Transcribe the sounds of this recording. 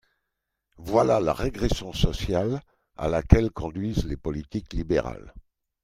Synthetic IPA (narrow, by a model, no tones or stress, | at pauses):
vwalala̰ʁeɡʁesjɔ̃sɔsjal | a̰lakʲɛlkɔ̃d̪ɥizlepɔlit̪iklibeʁa̰l